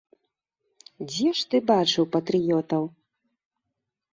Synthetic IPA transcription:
d͡zʲɛʂt̪ɨbat͡ʂɨwpɐt̪ɾɨjɔt̪ɐw

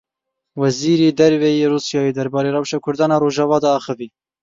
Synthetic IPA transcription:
wɛziːɾeːd̪ɛɾvɛjeːruːsjɑːjeːd̪ɛɾbɑːɾeːrɛwʃɑːkʰʊɾd̪ɑːnɑːɾoːʒɑvɑːd̪ɑɑːxɨviː

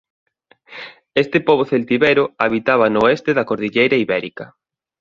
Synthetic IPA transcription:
est̪epoβoθelt̪iβeɾʊaβit̪aβɐnoest̪eðɐkoɾðiʎejɾaiβɛɾikɐ

